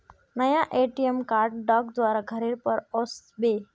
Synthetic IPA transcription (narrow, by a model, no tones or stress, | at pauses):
nəjaʔeʈiemkaːɾʈ̚ɖɔkd̪waɾaɡʱəɾiɾpəɾɔsbe